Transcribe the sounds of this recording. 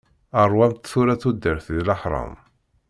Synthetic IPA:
ərˤwæmt̪θuɾæθud̪ːəɾθðləħɾˤɑ̰m

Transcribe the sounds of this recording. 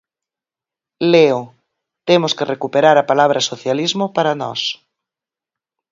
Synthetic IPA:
leo | t̪emoskerekupeɾaɾapalaβ̞ɾɐsoθjalizmopaɾanɔ̰s

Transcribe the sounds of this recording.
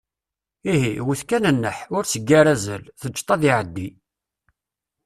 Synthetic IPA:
iɦiwəθkænənːəħʊɾsəɡːaɾæzəlθəd͡ʒt̪ˤɑðiʕəd̪ːi

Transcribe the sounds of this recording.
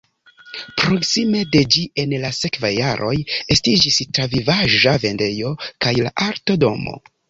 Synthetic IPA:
pɾo̞ksime̞de̞d͡ʒie̞nlase̞kvajːaɾʔo̞je̞stid͡ʒistɾavivaʒave̞nde̞jo̞kajla̰ʔaɾto̞do̞mo̞̰

